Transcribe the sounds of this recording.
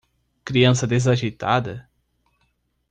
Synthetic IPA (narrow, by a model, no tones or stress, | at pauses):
kɾiɐ̃sɐd̪ezaʒit̪ad̪ɐ